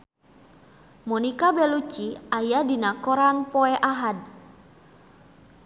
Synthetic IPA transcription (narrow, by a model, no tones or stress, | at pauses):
mɔnikabɛlut͡ʃiajadinakɔɾanpɔɛʔaɦad̚